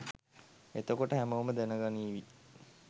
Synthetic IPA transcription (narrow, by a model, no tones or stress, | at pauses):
et̪əkoʈəɦæməʋəməd̪enəɡaniːʋi